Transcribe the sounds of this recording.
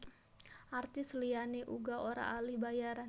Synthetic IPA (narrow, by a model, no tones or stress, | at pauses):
ʔart̪ɪslianeʔuɡaʔoɾa̰ːlihbajaɾa